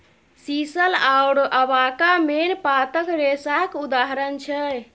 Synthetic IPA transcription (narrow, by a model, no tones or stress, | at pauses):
sisəlawɽəbakamenpat̪əkɾesakud̪aɦɾənt͡ʃʰɛ